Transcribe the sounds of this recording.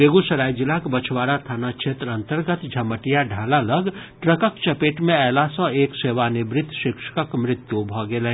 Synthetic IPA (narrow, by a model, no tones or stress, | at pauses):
beːɡusɐɾaːid͡ʒɪlakbət͡ʃʰʋaːɾat̪ʰaːnakʃʰet̪ɾə̃nt̪əɾɡət̪d͡ʒʱɐməʈijaɖʱaːlaləɡʈɾəkəkt͡ʃɐpeːʈmẽɛːlasɔ̃eːkseːʋanebɾɪt̪ʰːʃɪkʃə̥kəkmɾɪt̪jubʱɔɡele